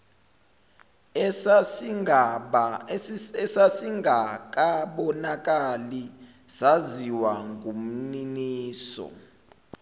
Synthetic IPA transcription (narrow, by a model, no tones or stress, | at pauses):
ɛ | ɓ | ɛsasiŋɡʱak̬ʼaɓɔnakʼali | saziwaŋɡʱum̩niniːsɔ̰